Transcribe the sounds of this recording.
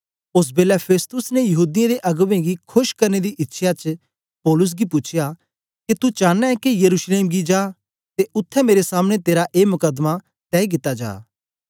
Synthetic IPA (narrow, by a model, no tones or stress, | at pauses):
ʊs̬beːlɛpʰeːst̪ʊsnejɐɦuːd̪ɪjãd̪eʔɐɡʋẽɡikʰʊʃkɐɾned̪iʔɪtːʃʰjat͡ʃ | pɔːlʊs̬ɡipʊt͡ʃʰɪja | ket̪ut͡ʃaːnaɛ̃kijɐɾuːʃleːmɡid͡ʒaː | t̪eʊt̪ʰːɛmeːɾesaːmɽ̃et̪eːɾaʔeːmʊkəd̪ma | t̪ɛːik̬ɪt̪ːad͡ʒa̰ː